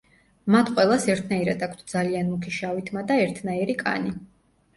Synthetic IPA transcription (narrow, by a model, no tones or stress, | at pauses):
mat̪ʰqʼwɛlˠasɛɾt̪ʰnaiɾad̪akʰt̪ʰd̪zalianmukʰiʃavit̪ʰmad̪aɛɾt̪ʰnaiɾikʼa̰ni